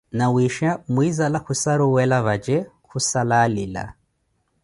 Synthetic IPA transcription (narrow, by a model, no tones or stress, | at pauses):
nawiʃamwizalahusaɾuwɛlaβad͡ʒɛ | kusalalila̰